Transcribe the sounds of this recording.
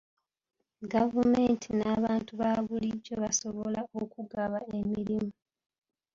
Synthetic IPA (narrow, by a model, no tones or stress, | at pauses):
ɡavume̞ːntʰinaːβaːntuβaβuliɟːo̞βaso̞βo̞laokuɡaβae̞miɾimu